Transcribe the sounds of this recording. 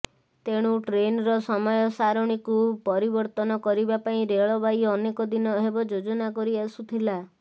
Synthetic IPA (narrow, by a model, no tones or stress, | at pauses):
t̪eɽ̃uʈɾenɾɔsɔmɔjɔsaɾoɽ̃ikupɔɾibɔɾt̪ɔnɔkɔɾibapaĩɾeɭɔbajɔnekɔd̪inɔɦebɔd͡ʒod͡ʒɔnakɔɾiasut̪ʰila